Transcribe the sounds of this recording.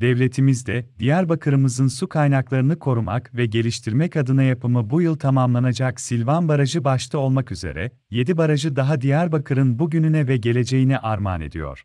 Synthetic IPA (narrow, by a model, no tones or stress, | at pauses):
d̪̥ɛvlʲe̞t̪ʰimizd̪ɛd̪ijæɾbakʰɯɾɯmɯzɯnsukʰajnaklˠaɾɯnɯkʰo̞ɾuma̰kvɛɟe̞lʲiʃt̪ʰiɾmɛcʰad̪ɯnajapɯmɯbujɯlˠt̪ʰamamlˠanad͡ʒaksilʲvanbaɾaʒɯbaʃt̪ʰɯo̞lˠmakyzḛɾɛ̰ | je̞d̪ibaɾaʒɯd̪aɦad̪ijæɾbakʰɯɾɯnbuɟynynɛvɛɟe̞lʲe̞d͡ʒe̞jinɛʔaɾma̰ːnḛd̪ḭjo̞̰ɾ̥